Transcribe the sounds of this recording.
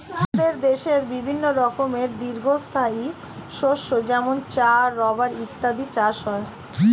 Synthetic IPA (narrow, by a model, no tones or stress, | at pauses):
d̪eɾd̪eʃeɾbibʱinːoɾɔkomeɾd̪iɾɡʱost̪ʰai | ʃoʃod͡ʑɛmont͡ɕaɾːɔbaɾit̪ːad̪it͡ɕaʃɔe